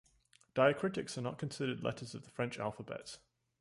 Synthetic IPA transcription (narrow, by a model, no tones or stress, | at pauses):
d̥aɪəkʰɹ̥ɪtɪksənə̰ʔkʰə̃nsɪɾədˡlɛ̰tʰəzəvðəfɹɛ̃nt͡ʃa̰lˠfəbɛ̰ts